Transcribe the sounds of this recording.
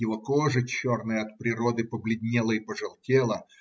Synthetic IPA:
jɪvokoʐɨt͡ɕːornɨjəɐt̪̚pɾʲɪɾod̪ɨpəblʲɪdʲnʲelˠəɪpəʐɨlˠtʲelˠə

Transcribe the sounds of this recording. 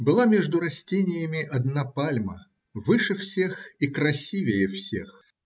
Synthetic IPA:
bɨlˠamʲeʐd̪ʊɾɐsʲtʲenʲɪjəmʲɪʔɐd̪napalʲmə | vɨʂɨfsʲexikɾɐsʲivʲɪjɪfsʲe̞̰x

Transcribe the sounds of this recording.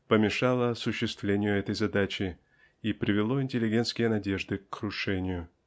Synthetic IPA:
pəmʲɪʂalˠəɐsʊɕːɪst̪vlʲenʲɪjʊɛt̪əjzɐd̪at͡ɕɪ | ipɾʲɪvʲɪlˠo̞ɪnʲtʲɪlʲɪɡʲe̞nt̪skʲɪjənɐdʲe̞ʐd̪ɨkɾʊʂɛnʲɪjʊ

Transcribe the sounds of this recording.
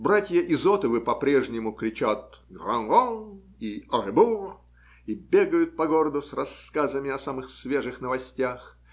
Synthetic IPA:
bɾatʲjəʔɪzot̪əvɨpɐpɾʲeʐnʲɪmʊkɾʲɪt͡ɕat̪̚ɡɾɐnɣon | iɐrɨbur | ibʲeɡəjʊt̪̚pɐɡoɾəd̪ʊsrɐskazəmʲɪɐsamɨxsvʲeʐɨxnəvɐsʲtʲax

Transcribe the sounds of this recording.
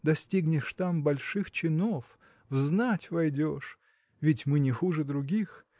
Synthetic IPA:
d̪ɐsʲtʲiɡnʲɪʂt̪ambɐlʲʂɨxt͡ɕɪnof | vznatʲvɐjdʲoʂ | vʲɪtʲmɨnʲɪxuʐɨd̪ɾʊɡʲix

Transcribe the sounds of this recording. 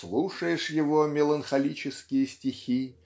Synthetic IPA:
slˠuʂəjɪʂjɪvomʲɪlˠənxɐlʲit͡ɕɪskʲɪjəsʲtʲɪxʲi

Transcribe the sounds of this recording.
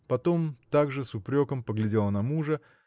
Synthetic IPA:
pɐt̪o̞mt̪aɡʐɨsʊpɾʲo̞kəmpəɡlʲɪdʲe̞lˠənɐmuʐə

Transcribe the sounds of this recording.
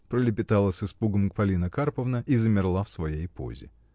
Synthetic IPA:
pɾəlʲɪpʲɪt̪alˠəsɨspuɡəmk̚pɐlʲinəkarpəvnəʔizəmʲɪrlˠafsvɐjejpʰo̰zʲɪ̰

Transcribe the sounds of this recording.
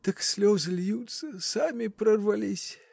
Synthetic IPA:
t̪ɐksʲlʲozɨlʲjut̪səsamʲɪpɾɐrvɐlʲisʲ

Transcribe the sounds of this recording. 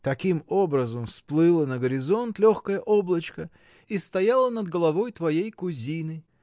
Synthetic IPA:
t̪ɐkʲimo̞bɾəzəmsplˠɨlˠənəɡəɾʲɪzo̞nt̪lʲoxkəjəʔoblˠət͡ɕkə | ist̪ɐjalˠənəd̪ɡəlˠɐvo̞jt̪vɐjejkʊzʲinɨ

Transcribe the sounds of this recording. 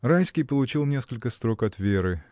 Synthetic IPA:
rajskʲijpəlˠʊt͡ɕilˠnʲe̞skəlʲkəst̪ɾo̞kɐt̪vʲeɾɨ

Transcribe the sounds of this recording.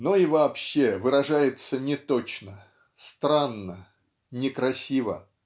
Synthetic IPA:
noivɐːpɕːe̞vɨɾɐʐajɪt̪sənʲɪt̪ot͡ɕnə | st̪ɾanːə | nʲɪkɾɐsʲivə

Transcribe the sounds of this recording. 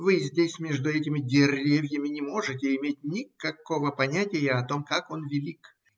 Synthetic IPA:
vɨzʲdʲesʲmʲe̞ʐd̪ʊɛt̬ʲɪmʲɪdʲɪrʲevʲjəmʲɪnʲɪmo̞ʐɨtʲɪɪmʲet̚ʲnʲɪkɐko̞vəpɐnʲætʲɪjəɐt̪o̞mkako̞nvʲɪlʲik

